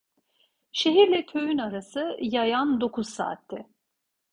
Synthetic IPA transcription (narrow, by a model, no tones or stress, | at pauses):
ʃeɦiɾlʲɛt̪ʰø̞jynaɾasɯjajand̪o̞kʰuz̥sa̰ːt̪ʰːɛ